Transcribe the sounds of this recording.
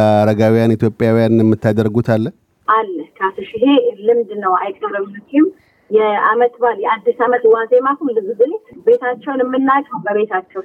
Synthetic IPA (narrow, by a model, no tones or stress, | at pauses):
ɾəɡawijanit̪ʰjo̞pʼjawijanjɛmːɨt̪ːad̪əɾɡut̪ʰalːə | ʔalːəhkʰasɨʃɪɦe̞lɨmd̪nəwajkʼəɾəmluk̪ʰːim | jɛamət̪baljɛad̪ːisamət̪wazemakumlɨzɨd̪ɨlebe̞t̪ʰat͡ʃːɛwnɪmːɨnːakʼəwbəβe̞t̪ʰat͡ʃːɛw